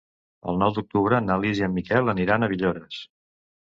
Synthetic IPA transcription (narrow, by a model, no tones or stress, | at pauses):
ə̰lˠnɔwd̪uk̚t̪uβɾənaliziəmːikɛlˠəniɾanəβiʎoɾəs